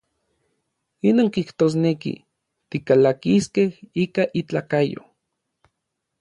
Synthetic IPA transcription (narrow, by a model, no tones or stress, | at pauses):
inoːŋkiht̪oːs̬nekḭ | t̪ikalakiskehiːkaʔit͡ɬaːkajo̰